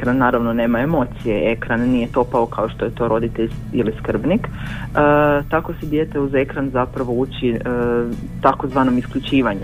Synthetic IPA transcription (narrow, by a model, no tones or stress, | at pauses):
kɾanːaːɾaʋno̞ne̞ːmaemo̞t̪sijeʔe̞kɾanːije̞t̪o̞paokaoʃt̪o̞je̞t̪o̞ɾo̞d̪it̪eʎiliskr̩bnik | ət̪ako̞sed̪je̞t̪euze̞kɾanzapɾaʋo̞uːt͡ɕiə | t̪ako̞zʋaːno̞miskʎut͡ʃiːʋaɲu